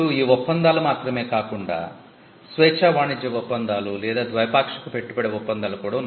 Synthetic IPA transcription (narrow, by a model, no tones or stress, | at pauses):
uiːɔpːɐnd̪aːlumaːt̪ɾɐme̞ːkaːkuɳɖa̰ː | sʋɛːt͡ʃaːʋaːɳid͡ʒɐʋɔpːɐnd̪aːlulɛːd̪aːd̪ʋɐjɐpaːkʂɐ̥kupe̞ʈːupɐɽeɔpːɐnd̪aːlɐkuːɽɐ